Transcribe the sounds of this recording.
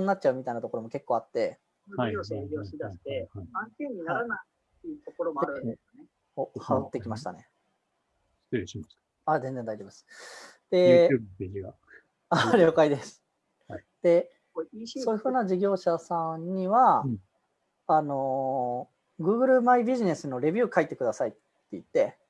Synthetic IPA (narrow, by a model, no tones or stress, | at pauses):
nɲiːatt͡ɕ̚ːt͡ɕaɯ̟mʲit̪aijnat̪o̞ko̞ɾo̞mo̞ke̞kːo̞ːat̪ːe̞ | oɕaɡʲoːɕid̪aɕi̥t̪eãŋkʲeɲiaɾana | eɯt̪okoɾomoɾɯne | hohaɯt̪ːe̞kʲimaɕi̥t̪a̰ne̞ | st̪eɾiɕimas | azend͡ze̞nd̪ait̪ebasɨ̥d̪̥e̞peʑiɡa | aɾʲjokaid̪e̞sɨ̥ | d̪̥e̞ | so̞ːjɯ̟ɸɯ̟ːnad͡ʑiɡʲo̞ːɕasãɲɲiβa | no̞ | ɡɯ̟ːɡɯ̟ɾɯ̟maibʲiʑine̞sɨno̞ɾe̞bʲɯ̟ːkait̪ːe̞kɯ̟d̪asait̪ːe̞it̪ːe̞